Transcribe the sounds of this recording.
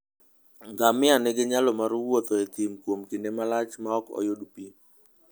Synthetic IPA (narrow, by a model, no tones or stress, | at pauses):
ŋɡamɪaneɡeɲalɔmaɾuwot̪ɔet̪imkwomkɪnemalat͡ʃmaɔkɔ̰jodupi